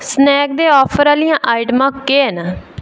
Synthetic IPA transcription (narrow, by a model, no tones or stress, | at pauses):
snɛːk̚d̪eːɔːpʰəɾaːlijãːʔaːɪʈmãːkːeːna